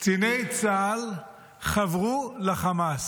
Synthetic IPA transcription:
t͡sinejt͡sal | χavʁulaχamas

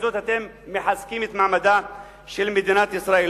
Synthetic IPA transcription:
zoːt̪hat̪emːɪħaskiːmit̪maʕmad̪a | ʃilmid̪iːnaːt̪ʔɪsɾˤaːʔil

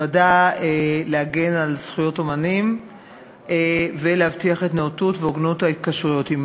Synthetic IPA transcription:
adaeleaɡe̞nalz̥χujo̞to̞manim | veleavtiaχe̞tneotutveoɡnothaitkaʃʁujo̞tim

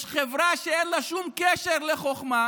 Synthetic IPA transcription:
ʃχevʁaʃeenlaʃumkeʃeʁleχoχma

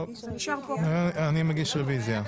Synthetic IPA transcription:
ʃ | animaɡiʃʁevizja

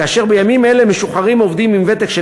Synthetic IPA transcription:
aːʃe̞ʁbejamime̞le̞me̞ʃuχaʁimo̞vd̪imimve̞t̪ekʃe

